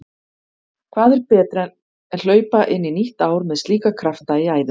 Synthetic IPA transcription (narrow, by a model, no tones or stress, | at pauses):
kʰv̥aːðɛɾpɛːt̪ɾɛ | ɛnl̥œːɥpaʔɪnːiniht̪aːwɾmɛðst̪liːkakʰɾaft̪aiaːjðʏ